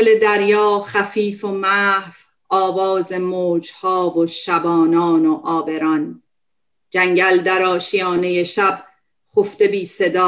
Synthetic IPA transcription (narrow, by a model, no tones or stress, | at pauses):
le̞d̪æɾjɒːxæfiːfomæhv | ɒːvɒːzemoːd͡ʒhɒːvoʃæbɒːnɒːnoʔɒːbe̞ɾɒn | d͡ʒæŋɟæld̪æɾɒːʃijɒːnejeʃæb̥ | xoft̪e̞biːse̞d̪ɒː